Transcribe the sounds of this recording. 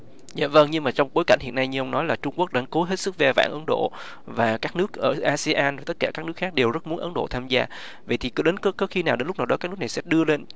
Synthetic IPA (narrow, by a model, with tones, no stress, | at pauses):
za̰ː˧˨və˧ŋɲɨ˧ŋmaː˨˩t͡ɕɔ˧wŋ͡mɓo˨˦jka˧˩jŋ̟hḭ˧˨ənːa˧jɲɨ˧ʔə˧ŋ͡mnɔ˨˦jlaː˨˩t͡ɕʊ˧ŋ͡mku˦˥ək̚ɗa̰˧˥nko˨˦ɦe˦˥t̚sɨ˦˥k̚zɛ˧˩va̰ː˧˩˨ʔə˨˦nɗo̰˧˨ | vaː˨˩kaː˦˥k̚nɨ˦˥ək̚ʔəː˧˩ʔaː˧sɛ˧ʔaː˧nvaː˨˩t̪t̚kaː˧˩kaː˦˥k̚nɨ˦˥əkxaː˦˥k̚ɗe˨˩wzə˦˥t̚mu˨˦ənʔə˨˦nɗo̰˧˨t̪ʰaː˧mzaː˧ | və̰˧˨jt̪ʰi˨˩kɨ˨˦ɗe˨˦nkə˨˦kɔː˨˦xi˧naː˨˩wɗe˨˦nlk͡p̚naː˨˩ɗɔ˨˦aː˦˥knɨ˦˥na˨˩sɛ̰˧˥ɗɨ˧əle˧n